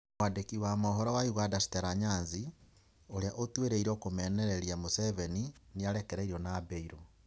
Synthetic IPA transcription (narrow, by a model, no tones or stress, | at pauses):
adekiwamɔɦɔɾɔwaiɣadasi̥teɾaɲanzi | oɾeaʔotweɾeiɾokomɛneɾeɾjamoseβeniniaɾekeɾeiɾionabeiɾo